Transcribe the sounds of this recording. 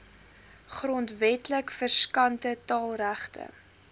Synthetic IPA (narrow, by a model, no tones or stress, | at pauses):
χrɔntvɛtləkfərskɐntətɑːlˠræχtʰə̰